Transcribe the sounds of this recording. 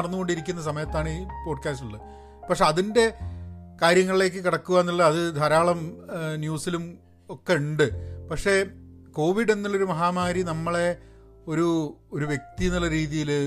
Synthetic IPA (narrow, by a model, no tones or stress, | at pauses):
ɐɽɐnːuɣo̞ɳɖiɾik̬ʲːunːɐs̬ɐmɐjɐt̪ːaːɳipo̞ːɖkʲaːstiɭːɐ | pɐkʂe̞ɐðinde̞kaːɾjɐŋːɐɭile̞ːk̬ːɨkiɽɐkːuʋaːnːiɭːɐɐðɨd̪ʱɐɾaːɭɐmnjuːsilum | o̞kːe̞uɳɖɨpɐkʂe̞ko̞ːʋiɖe̞nːilːo̞ɾumɐɦaːmaːɾinɐmːɐɭe̞ | o̞ɾuoɾuʋje̞k̚t̪inilːɐɾiːðijil